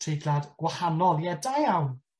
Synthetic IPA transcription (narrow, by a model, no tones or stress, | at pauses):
riɡladɡ̥wahanɔlˠjɛdajawn